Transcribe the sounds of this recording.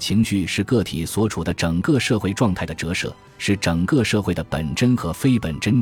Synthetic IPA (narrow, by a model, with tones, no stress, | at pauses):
t͡ɕʰi˧˥ŋɕy˥˩ʂɻ̩˥˧kɤ˥˩t̪ʰi˨˩swɔ˧˥ʈ͡ʂʰu˨˩d̪ə˦ʈ͡ʂə˨˩ŋkɤ˥˧ʂɤ˥˧xwe˥˧ɪʈ͡ʂwɑ˥˧ŋt̪ʰa˥˩ɪd̪ə˩ʈ͡ʂɤ˧˥ʂɤ̰˥˩ | ʂɻ̩˥˩ʈ͡ʂə˨˩ŋkɤ˥˧ʂɤ˥˧xwe˥˩ɪd̪ə˩pə̰˨˩nʈ͡ʂə˥nxɤ˧˥fe˥ɪpə˨˩nʈ͡ʂə˥n